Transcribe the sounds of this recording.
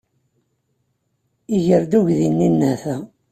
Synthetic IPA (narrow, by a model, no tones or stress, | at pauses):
iʝəɾd̪uʝðinːinːæθæ